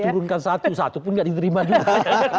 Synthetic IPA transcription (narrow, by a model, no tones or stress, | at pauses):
t̪uɾunkansat̪usat̪upʊnɡaʔdit̪əɾimad͡ʒuɡa